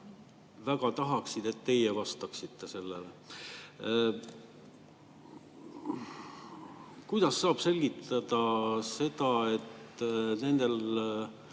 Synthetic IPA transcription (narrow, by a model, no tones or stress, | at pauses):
væɡɑt̪ɑɦɑksid̪̥e̞t̪ːe̞jevɑst̪ɑksit̪ːe̞se̞lːele | kujd̪̥ɑsːɑːb̥se̞lʲɡ̥it̪ɑd̪̥ɑse̞d̪ɑe̞t̪ne̞nd̪e̞l